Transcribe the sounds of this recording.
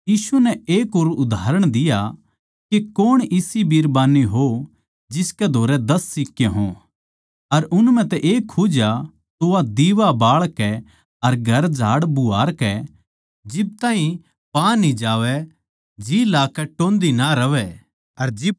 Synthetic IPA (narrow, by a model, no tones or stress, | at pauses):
jiːsunɛeːkoːɾʊd̪ʱaːɾəɽ̃d̪ɪja | kekoːɽ̃ɪsibiːɾbaːniɦo | d͡ʒɪskɛd̪ʱoːɾɛd̪ɐsːɪkːjẽɦõ | ɐɾʊnm̤ɛ̃t̪ɛʔeːkʰːud͡ʒa | t̪ʊʋad̪iːʋabaːɭkɛ | ɐɾɡʱɐɾd͡ʒʱaːɽbʊaːɾkɛ | d͡ʒɪb̚t̪aːɦĩ | pãːnĩd͡ʒaːʋɛ | d͡ʒiːlaːkɛʈõːnd̪inaɾɐʋɛ | ɐɾd͡ʒɪ